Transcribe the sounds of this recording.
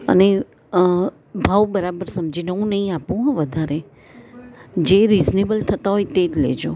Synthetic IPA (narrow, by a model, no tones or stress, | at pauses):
ə̰ne | bʱaʋbəɾabəɾsəmd͡ʒinəɦũnəɦĩapũɦɔ̃ʋəd̪ʱaɾe | d͡ʒeɾiznebəlt̪ʰət̪aɦojt̪ed͡ʒlḛd͡ʒo